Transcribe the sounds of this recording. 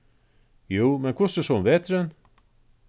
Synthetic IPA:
juːmɛnkʰvʊsəʂɔmʋeːt̪ɾɛn

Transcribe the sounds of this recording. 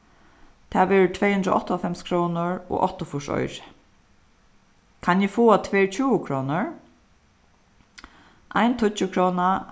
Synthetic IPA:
t̪ʰaːʋɛːɹt̪ʰvɛːjhʉnd̪ɾɔ̰ʔɔht̪ɔfɛmskʰɾɔːnʊɹɔ̰ːʔɔht̪ɔfʊʂɔ̰jɾɪ̥ | kʰanjɪfuːat̪ʰvɛːɹt͡ɕʰuːʊkʰɾɔːnʊɹ | ʔa̰jnt̪ʰʊəkʰɾɔːna

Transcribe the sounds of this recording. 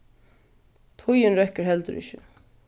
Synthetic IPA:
t̪ʰʊjɪnɾɛkːəɹɦɛlt̪əɾɪ̰çɪ̰

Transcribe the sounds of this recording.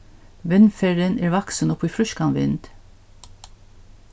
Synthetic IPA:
ʋɛnfæɹənʔæːɾʋɑksənɔpiːfɾʏʃkɑnʋɪ̰nd̪̥

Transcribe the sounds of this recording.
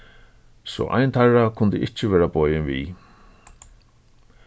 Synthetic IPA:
sɔ̰ʔa̰jnt̪ʰarakʰʊnt̪ɪʔɪht͡ʃɪʋɛːɾabɔːjɪnvḭ

